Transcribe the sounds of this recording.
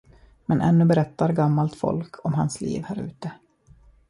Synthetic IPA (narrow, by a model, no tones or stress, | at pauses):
mɛnʔɛ̰nːɵbɛɾɛt̪ːaɾɡamːalt̪fɔ̰lkʰɔmɦa̰nslḭːvhæːɾʉ̟ːt̪ə